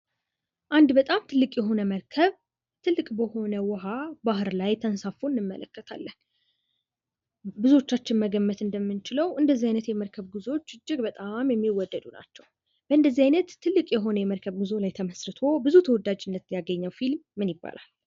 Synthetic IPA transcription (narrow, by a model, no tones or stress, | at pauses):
ʔand̪bət̪ʼamt̪ʰɨlːɨkʼjɛɦo̞nəməɾkʰəβ | t̪ʰɨlːɨkʼbəho̞nəwɔɦabahɨɾlajt̪ʰənsafuɨnːɨmːə̰lə̰kːət̪ʰa̰lːən | bɨzuot͡ʃːat͡ʃːɪnməɡəmːət̪ɨnd̪əmːɨnt͡ʃɪləwʔɨnd̪əzːiajnət̪jɛməɾkʰəβɡɨzo̞t͡ʃːɨd͡ʒːɪɡbət̪ʼamjɛmːiwɔd̪ːəd̪una̰t͡ʃːɛw | b̥əʔɨnd̪əzːiajnət̪ʰːɨlːɨkʼjɛɦo̞nəjɛməɾkʰəβɡɨzo̞lajt̪ʰəməsɾɨt̪ʰo̞bɨzut̪ʰəwɔd̪ad͡ʒɪnːət̪ɨnjaɡəɲːawfilmːɨnjɪbːa̰lʔa̰l